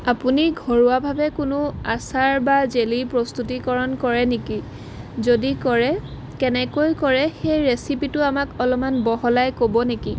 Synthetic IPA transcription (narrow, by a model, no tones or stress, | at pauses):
apuniɡʱɔɹuabʱabɛkʊnʊasaɹbazelipɹɔst̪utikɔɹɔnkɔɹɛneki | zodikɔɹɛ | kɛnɛkojkɔɹɛxejɹesipitʊamakɔlɔmanbɔɦɔlajkobɔneki